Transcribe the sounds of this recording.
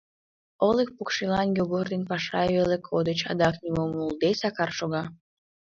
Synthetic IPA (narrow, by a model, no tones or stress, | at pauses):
olek̚pukʃilɑnjoɣord̪enpɑʃɑeβelekʰod̪ət͡ɕɑ̰d̪ɑknimomuld̪esɑkɑrʃoɣɑ